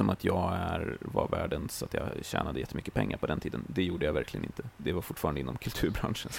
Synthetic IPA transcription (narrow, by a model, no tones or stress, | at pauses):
ɔmat̪ʰjɑːɡæɾvaɾvæːɖənsɔat̪jɑ̰ɕæ̰ːnad̪əjɛt̪ːəmʏkːə̥pʰɛŋːaɾpɔd̪ɛnt̪ʰiːd̪ənd̪ɛjuːɖəjavæɾklɪɡənɪnt̪ʰəd̪ɛvaɾfʊʈːfːɾanəɪnːɔ̰mkʰɵlt̪ʰʉ̟ːɾbɾa̰nʂən